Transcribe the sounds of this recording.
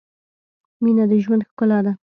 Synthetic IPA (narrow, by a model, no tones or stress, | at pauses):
minad̪əʒwand̪xkʊlad̪a